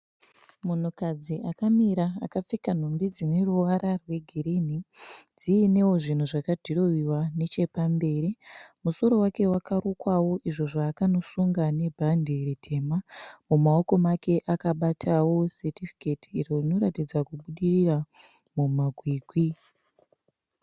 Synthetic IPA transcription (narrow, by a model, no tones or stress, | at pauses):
mun̤ukad͡ziʔakamiɾa̰ːkap͡fikan̤ombid͡zine̞ruʋaɾarwe̞ɡʱiɾenid͡ziːne̞wo̞ʐin̤uʐakadʱiro̞wiwane̞t͡ʃe̞pambe̞ːɾimuso̞ɾo̞wake̞wakaɾokwawo̞ʔiʐo̞ʐaːkano̞suŋɡane̞bʱandʱiritʰe̞ːmamumao̞ko̞make̞ʔakaɓatʰawo̞setifi̥ketiirorino̞ɾatid͡zakuɓuɗirira | mumaɡʱwiːɡʱwi